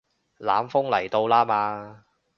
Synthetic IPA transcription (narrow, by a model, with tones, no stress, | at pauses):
la̰ː˨˥mfʊ˥ŋlɐ˨˩jt̪o˧wlaː˥maː˧